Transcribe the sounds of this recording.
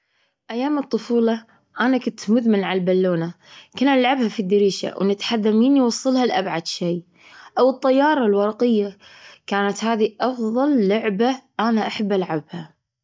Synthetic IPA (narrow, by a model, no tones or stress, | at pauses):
ʔajːaːmɨt̪ˤːʊfuːlɑ | ʔanakʊnt̪mʊðmanʕalbalːoːna | kʊnʔalʕabhafid̪ːɪɾiːʃa̰wnɪt̪ħaðːamiːnjwɑsˤːɨlhalʔabʕad̪ʃiː | ʔawɨt̪ˤːɑjːɑːɾˤɑlwɑɾˤɑqɪjːakaːnat̪haːðiʔɑfðˤɑlːʊʕbaʔanaʔaħabːʔalʕabha